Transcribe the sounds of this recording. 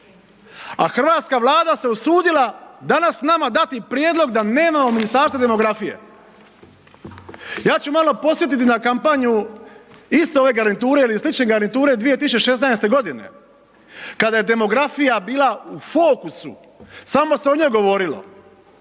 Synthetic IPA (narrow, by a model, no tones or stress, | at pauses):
a̰xr̩ʋaːt̪skaʋlˠaːd̪ase̞usuːd̪ilad̪anasnamad̪at̪ipɾjed̪lˠo̞ɡd̪ane̞ːmamo̞minist̪aːɾst̪ad̪e̞mo̞ɡɾafije̞̰ | jaːt͡ɕumalo̞po̞sʋje̞t̪̬it̪̬inakampaɲu | ist̪eo̞ʋe̞ɡaɾnit̪uːɾe̞ilislit͡ʃne̞ɡaɾnit̪uːɾe̞d̪ʋijet̪iseʃe̞snaest̪e̞ɡo̞d̪ine̞̰ | kad̪aje̞d̪e̞mo̞ɡɾafijabiːlˠaufo̞ːkusṵ | samo̞se̞oɲoɡo̞ʋo̞ɾilo̰